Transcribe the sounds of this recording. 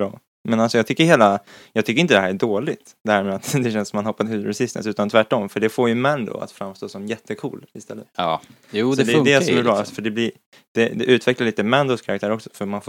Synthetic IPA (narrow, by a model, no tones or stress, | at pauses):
bɾɑː | mɛnalsɔjɑɡt̪ʰʏkːəɾheːlajɑːɡt̪ʰʏkːəɾɪnt̪əd̪ɛɦæːɾæɖoːɭɪt̪d̪̥ɛhæːɾmɛːat̪d̪ɛɕɛnsɔmːanhɔpːat̪hʉːɾɛsɪst̪ə̰sʉ̟ːt̪ant̪ʰvæʈːɔmfœɖɛfoːɾjɵmænd̪ɔ̰a̰t̪fɾamːst̪oːsɔmjɛt̪ʰːəkʰṵːlɪst̪ɛ̰lːə̰t̪ː | juːdɛd̪ɛd̪ɛsɔmɪɑːasfœɖɛblɪɾ | d̪̥ɛd̪ɛʔʉ̟ːt̪ʰvɛklaɭiːt̪əmænd̪ʊskʰaɾak̚t̪ʰæːɾɔksɔ̥fœɾmanf